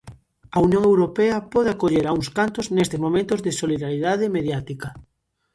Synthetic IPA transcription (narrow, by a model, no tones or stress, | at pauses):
ɐunjõŋewɾopɛɐpɔðeakoʎeɾauŋskant̪ʊznest̪ɪzmõmẽnt̪ʊzðɪsoliðaɾiðaðɪmeðjat̪ikɐ